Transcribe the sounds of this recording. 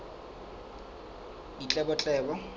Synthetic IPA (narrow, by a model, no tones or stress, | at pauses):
it͡ɬʼɛbɔt͡ɬʼɛːbɔ